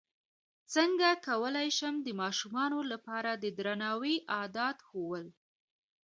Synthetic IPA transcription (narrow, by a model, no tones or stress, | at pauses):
t͡səŋɡakawəlajʃəmd̪əmɑʃumɑnolapɑɾad̪əd̪ɾanɑwiʔɑd̪ɑt̪xowəl